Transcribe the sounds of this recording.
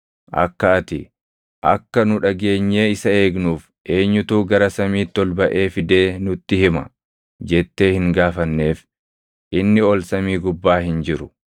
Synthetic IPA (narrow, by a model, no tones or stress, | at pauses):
ʔɐ̰kːɐɐt̪ɪ̰ | ʔɐ̰kːɐnʊᶑɐɡe̞ːɲːe̞ːɪsɐe̞ːɡnuːf | ʔe̞ːɲːʊt̪uːɡɐɾɐsɐmiːt̪ːɔlbɐʔe̞ːfɪd̪e̞ːnʊt̪ːɪhɪmɐ̰ | d͡ʒɛt̪ːe̞ːhɪŋɡaːfɐnːe̞ːf | ʔɪnːɪɔlsɐmiːɡʊbːaːhɪnd͡ʒɪɾʊ̥